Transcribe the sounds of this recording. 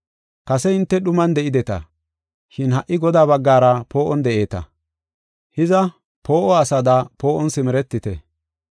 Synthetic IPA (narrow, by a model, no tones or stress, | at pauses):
kɐsɛɪnt̪ːɛɗʊmɐnd̪ɛʔɪd̪ɛt̪ɐ̰ | ʃɪnhɐʔːɪɡɔd̪aːβɐɡːaːɾɐpo̞ːʔɔnd̪ɛʔe̞ːt̪ɐ̰ | hɪzɐ | po̞ːʔɔɐsɐd̪ɐpo̞ːʔɔnsɪmɛɾɛt̪ːɪt̪ɛ